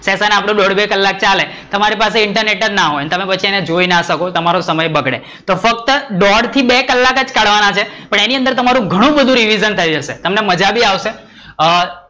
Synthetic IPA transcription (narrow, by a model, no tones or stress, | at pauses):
sesanapɽ̃õɖɔɽbekəlːak̚t͡ʃale | t̪əmaɾipas̬eɪɳʈəɾneʈəɾnaɦojnet̪əmepət͡ʃʰiened͡ʒoinaʃəkot̪əmaɾosəməjbəɡɽḛ | t̪ofək̚t̪əɖɔɖt̪ʰibekəlːakəd͡ʒkaɽʋanat͡ʃʰepəɳeniənd̪əɾt̪əmaɾũɡʱəɽ̃ũbəd̪ʱũɾiʋizənt̪ʰəjid͡ʒəʃet̪əmneməd͡ʒabʱiaʋʃe | ə